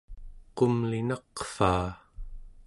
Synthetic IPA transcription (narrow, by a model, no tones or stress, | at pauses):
qʊmlinɑqfaː